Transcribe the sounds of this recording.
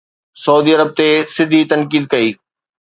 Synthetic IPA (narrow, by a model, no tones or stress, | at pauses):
sɐuːd̪iːɐɾəb̚t̪esɪd̪ʱit̪ɐnkiːd̪̚kɐiː